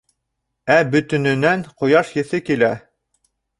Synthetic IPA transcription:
æbɵ̆t̪ɵ̆nɘ̆næɴqŏjɑʃjɘ̆θɘkilæ

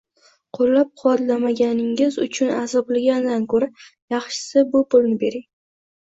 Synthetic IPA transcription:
qʰolːap̚qʰʊwat̪lamaɡʲanɪŋɪzʊ̰t͡ʃʰʊnazɒblɪɡʲand̪ankʰɵɾa | jɑχʃɪ̥sɪbʊpʊlnɪbe̞ɾɪŋ

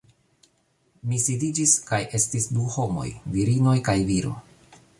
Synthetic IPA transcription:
misidid͡ʒiskaje̞stisduho̞mo̞̰jviɾino̞jkajviɾo̞̰

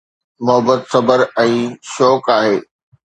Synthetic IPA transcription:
mʊɦəbət̪sɐbəɾɛ̃ːʃɔːkaːɦeː

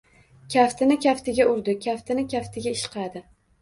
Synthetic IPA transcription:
kʲʰaft̪ʰɪnɪkʲaft̪ɪɡʲaʊɾd̪ɪkʲʰaft̪ʰɪnɪkʲʰaft̪ʰɪɡʲaɪʃqɑd̪ɪ

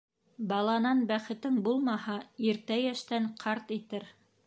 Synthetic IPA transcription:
bɑlˠɑnɑnbæχɘ̆t̪ɘŋbulˠmɑhɑiɾt̪æjæʃt̪æɴqʰɑɾt̪it̪ɘɾ

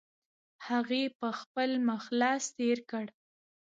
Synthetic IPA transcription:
haɣepəxpəlməxlɑst̪eɾkəɽ

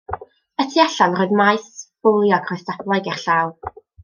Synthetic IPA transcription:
ətʰiaɬanrɔːɨdmajsb̥ʊlˠjɔɡʰrɔjstablˠaɡɛrɬaːwˠ

